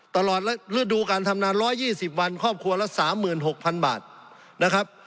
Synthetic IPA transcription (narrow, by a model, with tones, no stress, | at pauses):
t̪a˧lɔː˨˩t̪̚lɛ˦˥lɯ˦˥˩duː˧kaː˧nt̪ʰa˧mnaː˧nɾɔː˦˥jːiː˥˩si˨˩p̚wa˧nkʰɔː˥˩p̚kʰu˧ɐlɛ˦˥saː˩˦mːɯː˨˩nɦo˨˩k̚pʰa˧nba̰ː˨˩t̪̚ | na˦˥kʰɾa˦˥p̚